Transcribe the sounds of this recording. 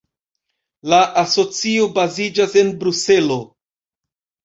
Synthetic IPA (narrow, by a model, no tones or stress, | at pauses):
laʔaso̞t͡sio̞bazid͡ʒase̞nbɾuse̞lo̞